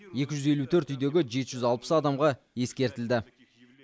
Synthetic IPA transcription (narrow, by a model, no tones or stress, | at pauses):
je̞kʲɪʒʏze̞lut̪ʰɵɾt̪ʏjd̪e̞ɡʲɪʒe̞t̪ɪʒʏzɑlˠpə̥sɑd̪ɑmʁɑ | je̞skʲe̞ɾt̪ɪld̪ɪ